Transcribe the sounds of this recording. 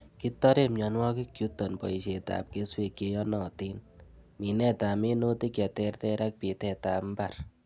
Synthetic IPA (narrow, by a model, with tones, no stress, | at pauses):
ki˦t̪ːɔ˦ɾe˦mjɔ˨nwɔ˦ki˦kːju˦t̪ːɔ˨npɔ̰˨jʃe˨t̪a̰˨p̚ke˦swe˨ke˧jɔ˦nɔ˨t̪i˦nmi˨nɛ˦t̪a˨me˦no˦t̪i˦kɛ˨t̪e˦rt̪ɛ˦ɾa˦k̚pi˨t̪ɛ˨t̪a˨mba˨ɾ